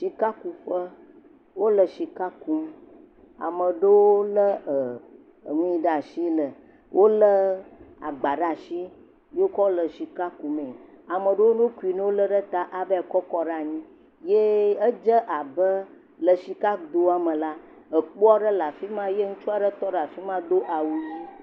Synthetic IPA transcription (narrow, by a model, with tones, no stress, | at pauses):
ʃi˨ka˦ku˨ɸə˦ | wo˦lə˨ʃi˨ka˦ku˦m˦ | a̰˨mə̃˨ɖə˦wo˦lə˦ə˨ | ŋũ˦i˦ɖa˨ʃi˦lə˨ | wʔo˦lə˦a̰˨ɡ͡ba˨ɖa˦˨ʃi˦ | je˦wo˦kɔ˦o˦lə˨ʃi˨ka˦ku˨mẽ˨ | a˨mə̃˨ɖə˦wo˦nũ˦ku˦i˨ne˦wo˦lə˦ɖə˦t̪a˦ʔa˨bə˦ɛ˨kɔ˦kɔ˦ɖa˦˨ɲĩ˦ | je˦ə˦d͡ʒə˦ʔa˨bə˦ | lə˨ʃi˨ka˦d̪o˦a˨mə̃˨la˦ | ə˨k͡po˦a˦ɖə˦la˨fi˦mã˦je˦ŋu˦t͡ʃu˦a˨ɖə˦t̪ɔ˦ɖa˨fi˦mã˦ɖo˦ʔa˨wu˨ji˦